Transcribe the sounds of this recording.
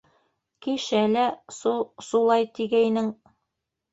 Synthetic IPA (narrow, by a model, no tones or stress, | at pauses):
kiʃælæsusulˠɑjt̪iɡæjnɘŋ